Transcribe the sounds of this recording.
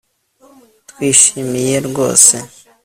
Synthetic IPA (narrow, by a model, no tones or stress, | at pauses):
twiːʃimije̞ɾɡo̞̰ːse